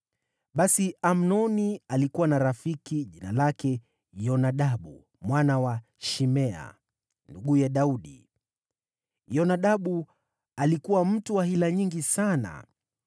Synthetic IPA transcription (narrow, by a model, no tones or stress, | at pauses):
ɓasiam̩nɔnialikuwanaɾafikiʄinalakɛ | jɔnaɗaɓṵ | mwanawa | ʃimɛa̰ | nduɡujɛɗauɗḭ | jɔnaɗaɓu | alikuwam̩tuwaɦilaɲiŋɡisana̰